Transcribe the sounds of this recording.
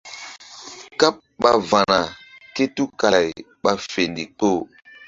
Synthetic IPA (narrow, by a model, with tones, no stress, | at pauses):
ka˦p̚ɓa˨va˨na˨ke˦tu˦ka˨j | ɓa˦fe˨ndi˨k͡po˦˨